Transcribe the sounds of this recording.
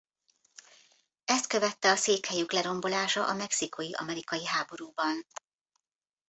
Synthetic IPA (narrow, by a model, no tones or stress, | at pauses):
ɛst̪̚kø̞vɛt̪ːɛɒseːkhɛjyklɛɾo̞mbo̞laːʃɒ̰ʔɒmɛksiko̞jiʔɒ̰mɛɾikɒjiɦaːbo̞ɾuːbɒn